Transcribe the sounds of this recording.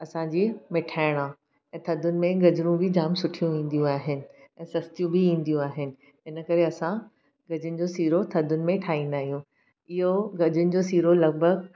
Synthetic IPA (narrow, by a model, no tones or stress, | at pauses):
ɐsãd͡ʑiːmɪʈʰaːɪɽ̃a | ɛ̃ːt̪ʰɐd̪ʱʊnɪ̆mẽɡɐd͡ʑɾũbʱɪd͡ʑaːmsʊʈʰijũĩːn̆d̪ijũaːɦɪnɪ̆ɛ̃ːsɐst̪ijũbʱɪĩːnd̪ijũaːɦɪnɪ̆ | ɪnə̆kɐɾeɐsã | ɡɐd͡ʑʊnɪ̆d͡ʑoːsiːɾot̪ʰɐd̪ʱʊnɪ̆mẽʈʰaːĩnd̪aːɦijũ | ɪɦoɡɐd͡ʑʊnɪ̆d͡ʑoːsiːɾolɐɡ̚bʱəɡ